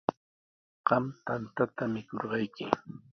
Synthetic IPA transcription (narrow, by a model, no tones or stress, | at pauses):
ɢ̥ɑmt̪ant̪at̪amɪkoɾɢɑjkɪ